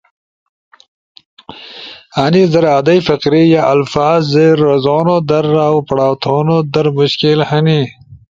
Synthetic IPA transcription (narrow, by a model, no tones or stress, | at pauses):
anizɐɾaːd̪ɐjfɐqɾijaʔɐlfaːzːeɾːɐzoːnod̪ɐɾawpɐɽaːwt̪ʰoːnod̪ɐɾmʊɕkilhɐni